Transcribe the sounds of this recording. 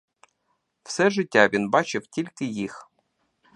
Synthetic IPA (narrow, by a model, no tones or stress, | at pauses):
fsɛʐɨtʲːavʲinbat͡ɕɪftʲilʲkʲɪjix